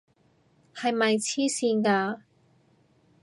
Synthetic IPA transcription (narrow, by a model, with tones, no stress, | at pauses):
hɐ˨jmɐ˨jt͡sʰiː˥siː˧nkaː˧